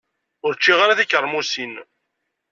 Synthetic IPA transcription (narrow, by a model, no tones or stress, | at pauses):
ʊɾt͡ʃːiʁaɾaθikəɾˤːmusin